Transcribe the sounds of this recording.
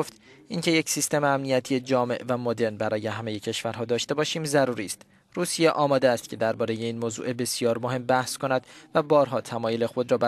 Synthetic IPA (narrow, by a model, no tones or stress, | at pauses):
oft̪ʔiŋcʰe̞je̞csist̪e̞meæmnijæt̪ʰije̞d͡ʒɒːme̞̰ʔvæmod̪e̞ɾnbæɾʔɒːjeɦæme̞je̞cʰeʃvæɾɦɒːd̪ɒːʃt̪e̞bɒːʃiːmzæɾuːɾiːst̪ | ruːsijeʔɒːmɒːd̪eæst̪̚cʰe̞d̪æɾbɒːɾe̞je̞iːnmoːzṵʔebe̞sijɒːɾmoɦe̞mbæhsko̞næd̪̥væbɒːɾɦɒːt̪ʰæmɒːjole̞xo̞d̪ɾɒːbæ